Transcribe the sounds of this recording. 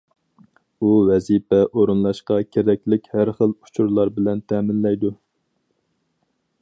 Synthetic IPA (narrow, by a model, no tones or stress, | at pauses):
uwɛzipɛʔoɾunlˠɑʃqɑkʲʰeɾɛkʲlɪkʲhæɾχəlu̥t͡ʃʰuɾlˠɑɾbɪlɛnt̪ʰɛːmɪnlɛjd̪u